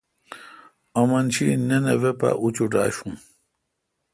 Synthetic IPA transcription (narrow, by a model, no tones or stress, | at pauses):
ɐmɐnt͡ɕʰinenevepa̰ʔut͡ɕuʈaːɕũ